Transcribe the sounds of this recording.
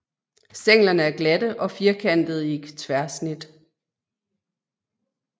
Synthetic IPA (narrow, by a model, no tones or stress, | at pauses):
seŋ̰lɐnəæɐɡ̥læd̥əʔɒ̽fiɐkʰæn̰d̥ð̩ˠiɡ̥t͡sʰʋæɐsnid̥